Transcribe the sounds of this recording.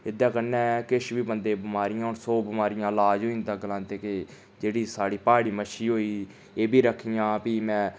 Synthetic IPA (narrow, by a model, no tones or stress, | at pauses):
ɪd̪ãːkənːɛ̃ːkɪʃʋiːbənd̪eːbɪmaːɾɪjãːoːɾsoːbɪmaːɾɪjãːlaːd͡ʒɦoːĩːnd̪aːɡəlãːnt̪eːkeː | d͡ʒeːɽiːsaːɽiːpaːɽiːməʃiːɦoːiː | eːbʱiːɾəkʰijãːpiːmɛ̃ː